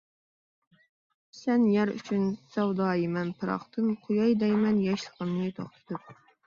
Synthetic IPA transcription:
sɛnjæɾy̰t͡ʃʰynsɛwd̪ɑːjimɛnpʰɨɾɑ̰χt̪ʰɨmqʰʊjɑjd̪ɛjmɛnjɑʃlˠəqəmnɨt̪ʰoχt̪ʰɨ̥t̪ʰɨp̚

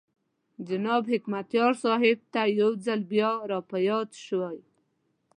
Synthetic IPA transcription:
d͡ʒanɑbɦɪkmat̪jɑɾsɑɦɪb̚t̪ajawzalbjɑɾɑpajɑt̪ʃwaj

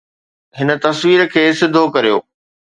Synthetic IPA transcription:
ɦɪnə̆t̪ɐsʋiːɾəkʰeːsɪd̪ʱokɐɾijo̰ː

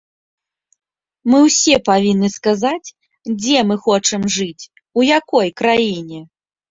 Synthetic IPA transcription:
mɨwsʲɛpavʲinːɨskazat͡sʲ | d͡zʲɛmɨxɔt͡ʂɨmʐɨt͡sʲ | ujakɔjkɾajinʲɛ

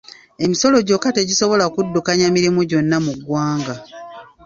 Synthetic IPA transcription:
e̞miso̞lo̞ɟo̞kate̞ɟiso̞βo̞lakudːukaɲamiɾimuɟo̞nːamuɡwaːŋɡa

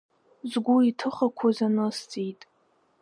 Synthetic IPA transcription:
zɡʷuitʰɨχakʷʰazanɨst͡sʼitʼ

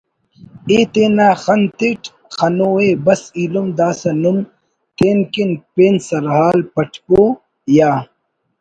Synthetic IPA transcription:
eːt̪eːnaːxɐnt̪iʈ | xɐnoːebɐsiːlumd̪aːsɐnum | t̪eːnkinpeːnsɐɾɦaːlpɐʈʰpoː | jaː

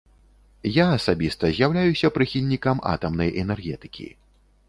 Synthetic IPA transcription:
jaɐsabʲist̪ɐzʲjawlʲajusʲɐpɾɨxʲilʲnʲikɐma̰t̪ɐmnɐjʔɛnɛrɣʲɛt̪ɨ̥kʲḭ

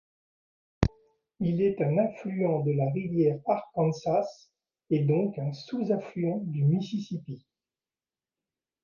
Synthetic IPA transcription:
ilɛt̪ɛ̃nɛ̃flyɑ̃d̪əlaʁivjɛʁaʁkɑ̃nsas | ed̪ɔ̃kɛ̃suzãflyɑ̃d̪ymisisipi

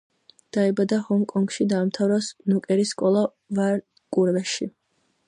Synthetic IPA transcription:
d̪̥aɛbad̪ahɔŋkʼɔŋɡʃid̪aːmt̪ʰavɾɔsnukʼɛɾiskʼɔlˠa | vaɾ | kʼuɾvɛʃi

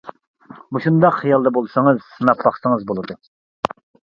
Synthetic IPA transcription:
buʃund̪ɑqχijɑlˠd̪ɛbolˠsɨŋɨz̥snɑpʰːɑχsɨŋəzbolˠɨd̪u

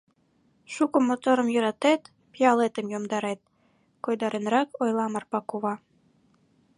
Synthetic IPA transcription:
ʃukəmot̪oɾə̆mjø̆ɾɑt̪et̪ | pjɑlet̪əmjomd̪ɑɾet̪̚ | kojd̪ɑɾenrɑkojlˠɑmɑrpɑkuβɑ

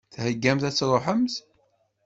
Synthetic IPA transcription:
θhəɡːæmθæt͡sːɾˤoħəmz

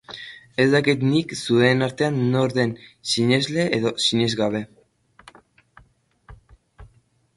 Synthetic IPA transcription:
e̞zd̪akit̪niksuenaɾt̪e̞anːo̞ɾðe̞nsiɲe̞zle̞ʔeðo̞siɲe̞zɣaβ̞e̞

